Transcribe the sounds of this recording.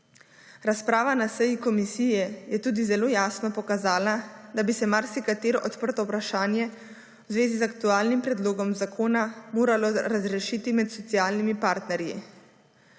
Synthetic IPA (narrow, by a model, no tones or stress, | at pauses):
ɾaspɾaːʋanasəjikɔmisiːjɛjɛt̪uːd̪izɛloːjaːsnɔpɔkazaːlad̪abisɛmaɾsikat̪eːɾɔʔɔt̪pəɾt̪ɔwpɾaʃaːnjɛ | wzʋeːzizakt̪uaːlnimpɾɛd̪loːɡɔmzakʰoːnamoːɾalɔɾazɾɛʃiːt̪imɛt̪sɔt̪siaːlnimipaɾt̪nɛɾjḭ